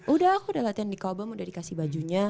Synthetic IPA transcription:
ʔudahakudalat̪iaŋdikabamudahdikasibad͡ʒuɲa

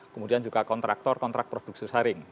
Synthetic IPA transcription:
kəmudiand͡ʒuɡakɔnt̪ɾa̰k̚t̪ɔrkɔnt̪ɾak̚pɾod̥uk̚sisaɾɪŋ

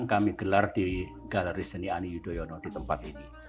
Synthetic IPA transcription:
ŋkamiɡ̥əlard̥iɡ̥aləɾisənianijud̥ojɔnɔdit̪əmpat̪ini

